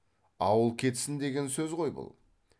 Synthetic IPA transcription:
ɑwəlˠkʲʰe̞t̪sɪnd̪e̞ɡʲe̞nsɵzʁo̞jbʊ̰lˠ

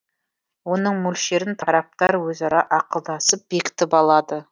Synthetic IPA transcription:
wo̞nəɴmɵlʃe̞ɾɪnt̪ʰɑɾɑp̚t̪ɑɾwɵzɑɾɑʔɑqəlˠd̪ɑsəp̚b̥e̞kʲɪ̥t̪ɪpɑlˠɑd̪ə

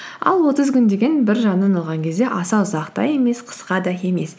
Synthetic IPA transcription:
ɑ̰lˠwo̞t̪əzkʲʏnd̪e̞ɡʲe̞nbɪɾʒɑnːənɑlˠʁɑŋkʲʰe̞zd̪e̞ʔɑsɑwzɑqt̪ɑ̰je̞me̞sqʰə̥sqɑd̪ɑe̞me̞s

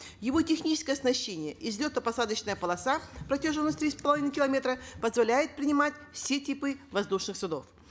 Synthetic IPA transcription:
jɪvo̞tʲɪxnʲit͡ɕɪ̥skəjɐsnɐɕːenʲɪjəʔɪzʲlʲot̪əpɐsad̪ət͡ɕnəjəpəlˠɐsapɾɐtʲeʐɨnːəsʲt̪ɾʲispəlˠɐvʲinɨkʲɪlˠɐmʲe̞t̪ɾəpəzvɐlʲæjɪt̪̚pɾʲɪnʲɪmatʲfsʲetʲipɨvɐzd̪uʂnɨxsʊd̪o̞̰f

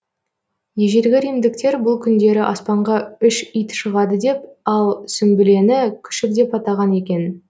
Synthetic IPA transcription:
jeʒeɾɡʲɪɾijmd̪ɪk̚t̪e̞ɾbʊlˠkʲʰʏnd̪e̞ɾɪʔɑspɑɴʁɑʏʃijt̪ʃəʁɑd̪əd̪e̞p̚ɑlˠsʏmbɪle̞nɪkʲʰʏ̥ʃɪk̚d̪e̞pɑt̪ɑʁɑne̞kʲe̞n

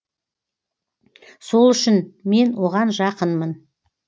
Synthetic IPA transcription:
so̞lˠʏʃɪnme̞nwo̞ʁɑnʒɑqənmən

